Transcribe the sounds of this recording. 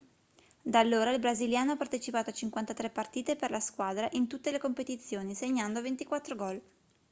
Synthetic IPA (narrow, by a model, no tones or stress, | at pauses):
d̪alːoːɾailbɾaziljaːnoapːart̪et͡ʃipaːt̪oat͡ʃiŋkwant̪at̪ɾepːart̪iːt̪eperlaskwad̪ɾaʔint̪ut̪ːelekompet̪it̪sːjoːniseɲːand̪ovent̪ikwat̪ːɾoɡɔl